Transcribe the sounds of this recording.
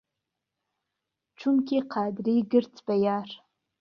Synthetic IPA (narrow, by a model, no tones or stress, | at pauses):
ʈ͡ʂʷʰʊmkʲiqʰaːdrijɡɨrt͡sʰʼbajar